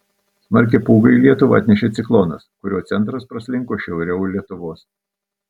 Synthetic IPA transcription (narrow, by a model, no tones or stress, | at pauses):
smɐɾʲk̬ʲɪpuːɡɐɪlʲiɛt̪ʊʋɐ̰ɐ̰t̪ʲnʲɛʃʲeːt̪sʲɪklˠɔːnɐskʊɾʲoːt̪sʲɛnt̪ɾɐspɾɐsʲlʲɪŋkoːʃʲɛʊɾʲɛʊlʲiɛt̪ʊʋoːs